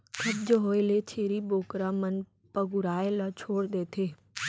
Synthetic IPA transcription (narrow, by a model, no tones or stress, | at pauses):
kʰɐbd͡ʒəɦoːelet͡ɕʰeːɾiboːkɾãmən | pɐɡʊɾaːelat͡ɕʰoːɽd̪eːt̪ʰeː